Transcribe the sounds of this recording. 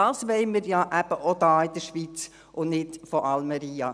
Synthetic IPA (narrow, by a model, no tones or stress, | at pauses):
ɑːsʋɛɪməɾjɑːʔæb̥əʔod̪ɑːɪd̪əɾʃʋiːt͡s | ʔʊnnɪtfɔɾɑlmɛɾiːɑ̰